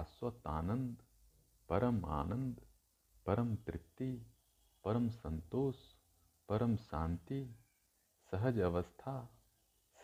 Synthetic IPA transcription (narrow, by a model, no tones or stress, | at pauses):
sʋɐt̪aːnɐnd̪ | pɐɾɐma̰ːnɐnd̪ | pɐɾɐmt̪ɾɪt̪ːi | pɐɾɐmsɐnt̪oːs | pɐɾɐmʃaːnt̪i | sɐɦɐd͡ʒɐʋɐst̪ʰaː | s